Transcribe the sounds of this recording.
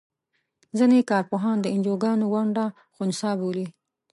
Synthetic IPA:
zənekɑɾpoɦɑnd̪əɪnd͡ʒoɡɑnowaɳɖa | xʊnsɑboli

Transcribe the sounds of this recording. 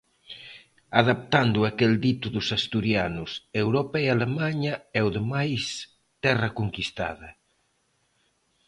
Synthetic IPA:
aðap̚t̪and̪ʊakeld̪it̪ʊðʊsast̪uɾjanʊsewɾopaialemaɲɐɛʊðemajs | t̪ɛrɐkoŋkist̪a̰ðɐ

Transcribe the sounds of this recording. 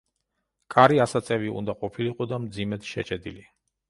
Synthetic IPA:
kʼaɾiasat̪sʼɛviṵnd̪aqʼɔpʰiliqʼɔd̪amd̪zimɛt̪ʃɛ̰t͡ʃʼɛd̪ili

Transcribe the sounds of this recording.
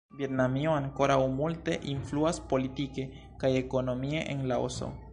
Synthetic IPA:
bjet̪namioaŋkoɾawmulte̞ʔinfluaspo̞litike | kajeko̞no̞mieʔḛnlao̰so̰

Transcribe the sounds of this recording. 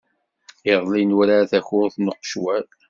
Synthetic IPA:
eðˤlinɾaθæçʊɾθnəqːʃwæl

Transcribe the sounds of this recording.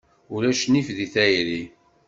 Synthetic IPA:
ulæʃnifðiθæjɾi

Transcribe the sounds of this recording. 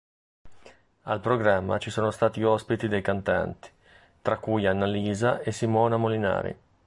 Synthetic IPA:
alpɾoɡɾamːa̰t͡ʃisoːnost̪aːt̪iɔspit̪id̪ejkant̪a̰nt̪i̥ | t̪ɾakːujanːaliːzaesimɔːnamolina̰ːɾḭ

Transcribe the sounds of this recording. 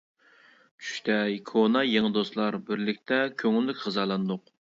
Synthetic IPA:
t͡ʃʰy̥ʃt̪ʰɛjkʰonɑjeŋɨd̪oslˠɑɾbɪɾlɪkʲt̪ʰɛkʲʰøŋylːykʲχɨzɑlˠɑnd̪ʊq

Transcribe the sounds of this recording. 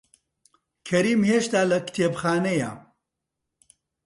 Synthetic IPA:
kʰɐɾiːmheːʃt̪aːlɐkt̪ʰeːbxaːnɐjɐ̰

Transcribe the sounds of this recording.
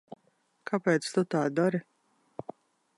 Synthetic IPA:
kʰapɛːt̪st̪ut̪aːd̪ɔɾi

